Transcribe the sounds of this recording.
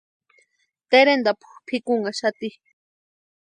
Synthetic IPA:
t̪eɾend̪apʰu̥xpʰikuŋaʃat̪i

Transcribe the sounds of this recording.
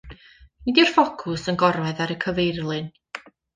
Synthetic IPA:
nidirfɔkʰʊsənɡɔɾwɛðaɾəkʰəvejrlˠɨn

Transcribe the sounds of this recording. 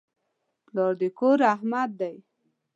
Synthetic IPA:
ploɾd̪ekoɾahmad̪̚ːaj

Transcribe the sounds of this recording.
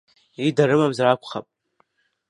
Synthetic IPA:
idaɾɨmamzarakʷʰʼχa̰pʼ

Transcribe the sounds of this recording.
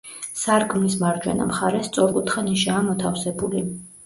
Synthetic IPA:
saɾkʰʼmnismaɾd͡ʒwɛ̰na̰mχaɾɛst̪sʼɔɾkʼut̪ʰχaniʃɛamɔt̪ʰafsɛbuli

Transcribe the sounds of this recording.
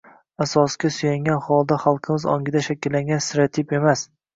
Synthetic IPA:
asɒskʲasʊjaŋɡʲanχɒlˠd̪aχalˠqʰɨmɪzɒ̰ŋɡʲɪd̪aʃakʲɪlːaŋɡʲansɪɾat̪ʰɪpe̞mas

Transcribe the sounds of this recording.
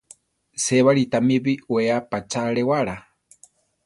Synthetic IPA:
seβaɺit̪amiβiueapat͡ʃaɺewaɺa

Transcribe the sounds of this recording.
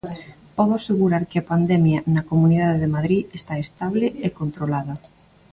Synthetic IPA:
pɔð̞oaseɣuɾaɾkɪapand̪ɛmjanɐkomuniðaðeðemaðɾiest̪aest̪aβ̞leekont̪ɾolaðɐ

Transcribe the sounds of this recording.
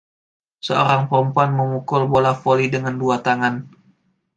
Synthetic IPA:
səo̰ɾaŋpɔmpoanməmukʊlbolafolidəŋanduat̪aŋan

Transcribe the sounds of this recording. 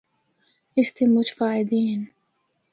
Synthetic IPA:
ʔɪst̪imʊt͡ʃfaːʕɪd̪iːn

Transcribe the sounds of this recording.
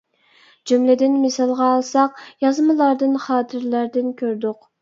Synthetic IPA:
d͡ʒumlɪd̪ɪnmɪsɑlˠʁɑːlˠsɑqjɑzmɨlˠɑɾd̪ɨnχɑːt̪ʰɨɾlæɾd̪ɪnkʲʰøɾd̪ʊq

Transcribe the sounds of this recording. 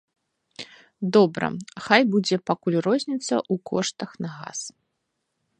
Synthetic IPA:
d̪ɔbɾɐ̰xajbud͡zʲɛpakulʲrɔzʲnʲit̪sːɐ̰ʔukɔʂt̪ɐxnɐɣa̰s

